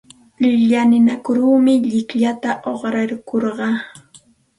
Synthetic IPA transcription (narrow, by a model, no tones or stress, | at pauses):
lɪʎanɪnakʊɾuːmɪʎɪkʎat̪aʔoχɾaɾkoɾɢɑː